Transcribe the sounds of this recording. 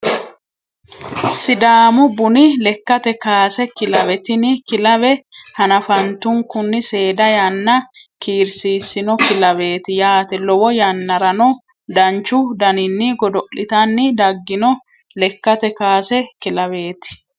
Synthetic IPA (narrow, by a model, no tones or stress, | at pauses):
sɪd̪aːmʊbʊnɪlɛkːɐt̪ɛkaːsɛkɪlɐβɛt̪ɪnɪkɪlɐβɛhɐnɐfɐnt̪ʊŋkʊnːɪse̞ːd̪ɐjɐnːɐkiːɾsiːsːɪnɔkɪlɐβe̞ːt̪ɪjaːt̪ɛlɔwɔjɐnːɐɾɐnɔ | d̪ɐnt͡ʃːʊd̪ɐnɪnːɪɡɔd̪ɔʔɪt̪ɐnːɪd̪ɐɡːɪnɔ | lɛkːɐt̪ɛkaːsɛkɪlɐβe̞ːt̪ɪ̥